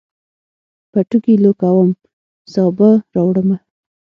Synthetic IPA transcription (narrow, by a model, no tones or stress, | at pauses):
paʈukilokawəm | sɑbaɾɑwɽəma